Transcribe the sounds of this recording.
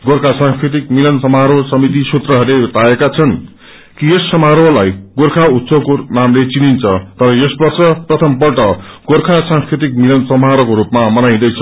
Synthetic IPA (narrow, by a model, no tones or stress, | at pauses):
ɡorkʰasãŋskrit̪̬ikmilʌnsʌmaɾosʌmit̪isot̪rʌɦʌɾlet̪aekat͡sʰʌn | kijesːʌmaɾolajɡorkʰaut̪sʰokonamlet͡sinint͡sʰʌt̪ʌɾʌjespʌrt͡sʌprʌt̪ʰʌmpʌʈʌɡorkʰasãŋskɾit̪̬ikmilʌnsʌmɦaɾokoɾupmamʌnaj̃d̪ʌjt͡sʰʌ